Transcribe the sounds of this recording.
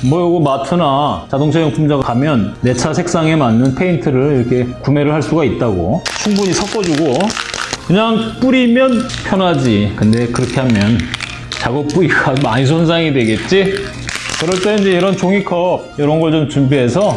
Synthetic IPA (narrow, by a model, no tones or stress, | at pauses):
mʌjʌɡomatʰɯnat͡ɕadoŋsʰejʌŋpʰumd͡ʑaɡaamjʌnːe̞t͡ɕʰasʰe̞k̚s͈aŋe̞manːɯnpʰe̞intʰɯɾɯɭiɾʌkʰe̞kume̞ɾɯɭhaɭs͈uɡait̚t͈aɡo̰t͡ɕʰuŋbuɲisʰʌk͈ʌd͡ʑuɡo | kɯɲaŋp͈uɾimjʌnpʰjʌnɦad͡ʑikɯnde̞kɯɾʌkʰe̞hamjʌn | t͡ɕaɡʌp͈uiɡamaɲis̬ʰonsʰaŋidwe̞ɡe̞t̚t͡ɕ͈i | kɯɾʌɭt͈eind͡ʑeiɾʌnt͡ɕoŋikʰʌb̚jʌɾʌnɡʌɭt͡ɕomt͡ɕumbiɦe̞sʰʌ